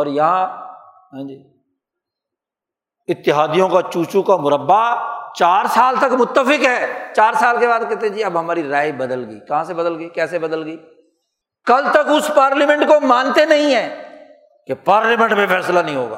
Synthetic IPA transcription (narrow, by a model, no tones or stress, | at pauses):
ɔːɾjɐɦã | ɦãːd͡ʒiː | ɪt̪ːɪɦaːd̪ijõkat͡ʃuːt͡ʃukamʊɾəbːat͡ʃaːɾsaːlt̪ɐkmʊt̪ːəfɪkɦɛːt͡ʃaːɾsaːlkebaːd̪kɛːt̪eɦẽd͡ʒiːɐbɦɐmaːɾiɾaːibɐd̪əlɡəikɐɦãsebɐd̪əlɡəikɛːsebɐd̪əlɡəiː | kɐlt̪ɐkʊspaːɾlemɛ̃ɳʈkomãːnt̪enɐɦĩɦɛ̃ː | kepaːɾlemɛ̃ɳʈmẽfɛːslanɐɦĩɦo̰ːɡa̰ː